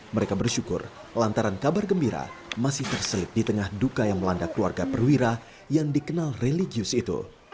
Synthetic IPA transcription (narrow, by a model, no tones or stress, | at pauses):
məɾekabərʃukʊ̰r | lant̪aɾankabarɡəmbiɾa̰masɪht̪ərsəlɪp̚dit̪əŋahdukajaŋməlandaklua̰rɡapərwiɾa | jaŋdikənalreliɡiʊsit̪ṵ